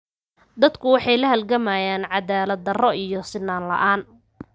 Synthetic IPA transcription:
d̪ɐd̪kʰʊwɑħɑjlɐɦɐlɡɐmaːjaːnʕɑðaːlɐd̪ɐrɔʔijɔsɪnːaːnlɐ̰ʔaːn

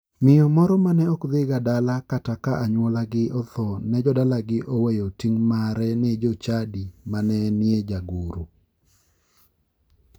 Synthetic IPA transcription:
mɪjɔmɔɾɔmanɛɔkd̪ɪɡadalakatakaʔaɲwɔlaɡɪʔɔt̪ɔnɛd͡ʒɔdalaɡɪʔowejotiŋmaɾɛned͡ʒot͡ʃadimanɛnjed͡ʒaɡuɾu

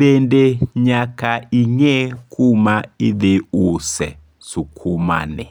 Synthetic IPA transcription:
ɓendeɲakaiɲɛkʰumaiðeusɛ | sukʰuma̰nɛ̰

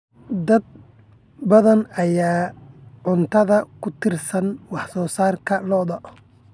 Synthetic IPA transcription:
d̪ɐd̪̚ | bɐðɐnɐjaːʕʊnt̪ʰɐðɐkʰʊt̪ʰɪrsɐnwɑħsɔːsaːrkʰɐlɔːðɔʔ

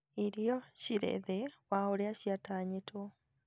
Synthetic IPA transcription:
iɾijoɕiɾḛðewaholeaɕjataɲeto

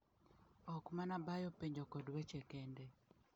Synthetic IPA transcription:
ɔkmanabajɔpeɲd͡ʒokɔdwɛt͡ʃɛkɛndɛ

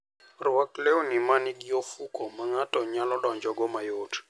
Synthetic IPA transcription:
rʊwaklewnimaniɡjofukɔmaŋatɔɲalɔɗɔɲd͡ʒɔɡɔmajot

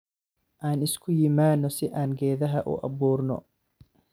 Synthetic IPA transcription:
ʔaːnɪskʰʊjɪmaːnːɔsɪʔaːnɡɛːðɐɦɐʔʊ̰ʔɑ̰βuːrnɔ̰

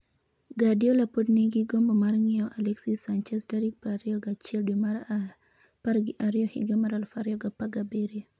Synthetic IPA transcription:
ɡadiolapodniɡiɡombomaɾŋiɔʔalɛksisant͡ʃɛstaɾik̚pɾaɾjoɡat͡ʃɛldwimaɾa | paɾɡiʔaɾiohḭɡemaɾalfaɾjɔɡapaɡabeɾia

